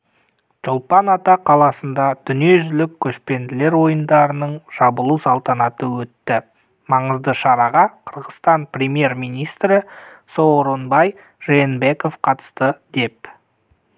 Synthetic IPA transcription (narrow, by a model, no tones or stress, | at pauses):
ʒ̥ʊlˠpɑnɑt̪ɑqʰɑlˠɑsənd̪ɑd̪̥ʏnije̞ʒʏlɪkʲʰːɵʃpe̞nd̪ɪle̞ɾwo̞jənd̪ɑɾənəɴʒ̥ɑbəlˠusɑlˠt̪ɑnɑt̪əwɵt̪ːɪ | mɑɴəzd̪əʃɑɾɑʁɑqʰəɾʁəst̪ɑnprʲemije̞ɾmijnijst̪ɾɪ | so̞wɾonbɑj | ʒ̥enbe̞ko̞fqʰɑt̪ə̥st̪əd̪̥e̞p̚